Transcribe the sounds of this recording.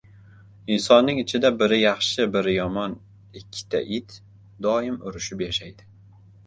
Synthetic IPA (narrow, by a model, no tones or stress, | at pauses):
ɪnsɒnːɪŋɪt͡ʃʰɪd̪abɪɾɪjɑχʃɪbɪɾɪjɒmɒn | ɪkʲʰːɪ̥t̪ʰa̰ʔit̪ | d̪ɒɪmʊɾɪʃɪpjaʃajd̪ɪ